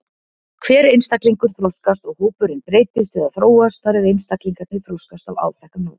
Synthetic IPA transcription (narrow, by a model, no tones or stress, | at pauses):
kʰvɛːɾejnst̪akliŋkʏɾ̥θɾowskast̪ɔɣhuːpʏɾɪnpɾeːjt̪ɪst̪ɪðaθɾoːwast̪faːɾɪðejnst̪akliŋkat̪nɪfɾowskast̪ava̰ːwt̪ʰɛhkʏnoːw